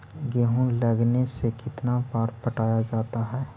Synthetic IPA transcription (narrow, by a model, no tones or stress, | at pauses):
ɡeːɦõləɡnesekɪt̪nabaːɾpəʈaːjad͡ʒaːt̪aɦɛː